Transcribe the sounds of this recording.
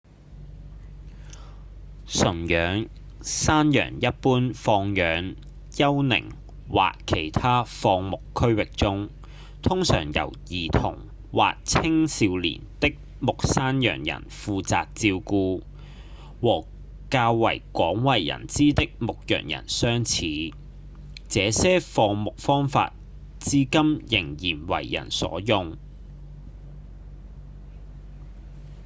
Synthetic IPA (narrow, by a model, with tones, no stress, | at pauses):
sɵ˨˩ŋjœː˨˥ŋ | saː˥njœ̰ː˨˩ŋjɐ˥t̚puː˥nfɔː˧ŋjœː˨˥ŋ | jɐ˥wnɪ̰˨˩ŋ | wa̰ː˨kʰːe˨˩jt̪ʰaː˥fɔː˧ŋmʊ˨kʰːɵ˥ɥwɪ˨k̚t͡sʊ˥ŋ | t̪ʰʊ˥ŋsœ̰ː˨˩ŋjɐ̰˨˩wjiː˨˩t̪ʰʊ̰˨˩ŋ | waː˨k̚t͡sʰɪ˥ŋsiː˨˧wlḭː˨˩nt̪ɪ˥k̚ | mʊ˨k̚saː˥njœ̰ː˨˩ŋjɐ̰˨˩nfuː˨˧t͡sa̰ː˨k̚t͡siː˧wkuː˧ | wɔː˨˩ | kaː˧wːɐ˨˩jkʷɔː˨˥ŋwɐ˨˩jjɐ̰˨˩nt͡siː˥t̪ɪ˥k̚mʊ˨k̚jœ̰ː˨˩ŋjɐ̰˨˩nsœː˥ŋt͡sʰiː˨˦ | t͡sɛː˨˧sɛː˥fɔː˧mʊ˨k̚fɔː˥ŋfa̰ː˧t̚ | t͡siː˥kɐ˥mjɪ˨˩ŋjiː˨˩nwɐ̰˨˩jːɐ̰˨˩nsɔ̰ː˨˥jʊ˨ŋ